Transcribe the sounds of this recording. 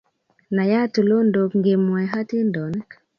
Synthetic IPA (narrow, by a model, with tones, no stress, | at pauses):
na˨ja˦tu˨lo˦ndo˨kŋɡe˨mwa˨ɦa˦ti˦ndɔ˨n˦k